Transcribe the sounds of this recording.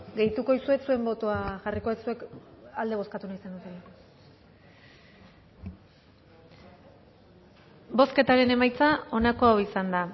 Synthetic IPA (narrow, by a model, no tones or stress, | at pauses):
ɡe̞jt̪uko̞isue̞sue̞mbo̞t̪oaʝariko̞esue̞kald̪e̞β̞o̞skat̪unaisand̪ut̪e̞la | bo̞ske̞t̪aɾe̞ne̞majt͡sao̞nako̞awisand̪a